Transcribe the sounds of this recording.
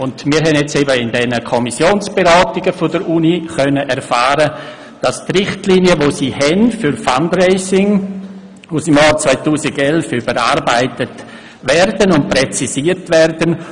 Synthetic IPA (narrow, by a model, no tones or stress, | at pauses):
ʊndmiːɾɦɛnjɛt͡seːbəɪndɛnəkʰɔmisjoːnsb̥eɾɑːtɪɡəfodəɾʔuniχœnəʔɛɾfaːɾə | d̥ɑstrɪχtliniəʋosiːhɛnfʏɾfandrɛɪsɪŋ | ʊsɪmjɑːɾt͡svaɪtuːsiɡɛlfʏbəɾaːɾbaɪtət | ʋɛɾdənʊnt̚prɛt͡sisiːətʋɛɾd̥ən